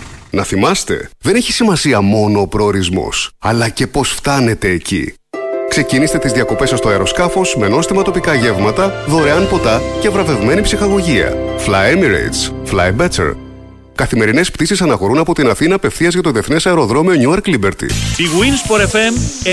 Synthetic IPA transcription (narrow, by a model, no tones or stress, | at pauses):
nɐθimɐst̪e̞̰ðeneçi̥simɐsiɐmo̞no̞ːpɾo̞ːɾizmo̞̰sɐlɐce̞po̞sft̪ɐne̞t̪e̞ːcḭ | kse̞cinist̪e̞t̪izðiɐko̞pe̞sɐst̪oɐeɾo̞skɐfo̞sme̞no̞st̪imɐt̪o̞pikɐʝe̞vmɐt̪ɐðo̞ɾe̞ɐnpo̞t̪ɐcevɾɐve̞vme̞nipsixɐɣo̞ʝiɐ̰flɐjemiɾḛjt̪sflɐ̰jbet͡sḛɾ | kɐθime̞ɾine̞spt̪isisɐnɐxo̞ɾunɐpo̞t̪inɐθinɐːpe̞fθiɐzʝɐt̪o̞ðie̞θne̞sɐeɾo̞ðɾo̞mioɲuɐɾklibeɾt̪ḭiɣuinspoɾefem